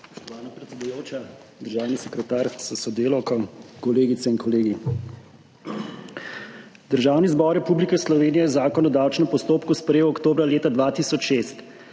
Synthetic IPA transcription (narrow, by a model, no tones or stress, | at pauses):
spɔ̥ʃt̪ɔʋaːnapɾɛt̪sɛd̪ujoːt͡ʃa | d̪əɾʒaːwnisɛkɾɛt̪aːɾsasɔd̪eːlɔkɔkɔleːɡit̪sɛinkɔleːɡi | d̪əɾʒaːwnizbɔɾːɛpublikɛslɔʋeːnijɛzaːkɔnɔd̪awt͡ʃnɛmpɔst̪oːpkuspɾɛjewɔkt̪oːbɾaleːt̪ad̪ʋaːt̪isɔt͡ʃʃest̪